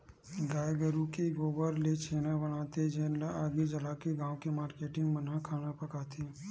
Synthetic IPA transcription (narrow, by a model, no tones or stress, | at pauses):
ɡaːjɡəɾukiɡoːbəɾlet͡ʃʰeːnabɐñaːt̪ed͡ʒeːnlaaːɡid͡ʒɐlaːkiɡãːõkemaːɾkeːʈɪ̃ŋɡmɐnakʰaːnapɐkaːt̪ʰi